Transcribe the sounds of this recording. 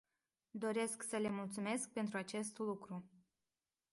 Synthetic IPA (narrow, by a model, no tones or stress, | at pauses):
d̪o̞ɾe̞sksəle̞mult̪sume̞sk̚pe̞nt̪ɾuat͡ʃe̞st̪lukɾu